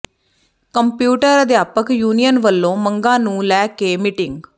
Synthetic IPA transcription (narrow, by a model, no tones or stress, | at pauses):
kəmpjuːʈəɾəd̪jaːpəkjuːnijənʋəlːõːməŋɡãːnũːlɛːkeːmɪʈɪŋɡ